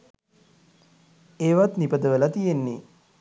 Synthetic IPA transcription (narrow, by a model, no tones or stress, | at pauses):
eːʋat̪nipəd̪əʋələt̪ijenːi